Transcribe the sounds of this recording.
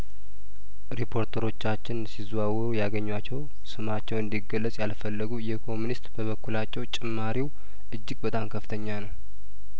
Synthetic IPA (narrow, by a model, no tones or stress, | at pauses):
ɾepʰo̞ɾt̪ʰəɾo̞t͡ʃːat͡ʃːɪnsizwawɾujaɡəɲːwat͡ʃːɛw | sɨmat͡ʃːɛwɨnd̪iɡəlːəsʼjalfəlːəɡujɛkʰo̞munist̪bəβəkːulat͡ʃːɛwt͡ʃʼɪmːaɾiw | ʔɨd͡ʒːɪɡ̚bət̪ʼamkʰəft̪ʰəɲːanəw